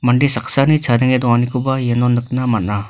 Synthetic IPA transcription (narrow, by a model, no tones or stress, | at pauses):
maɳɖisaksanit͡sʰaɾəŋed̪ɔanikubajenonəknamana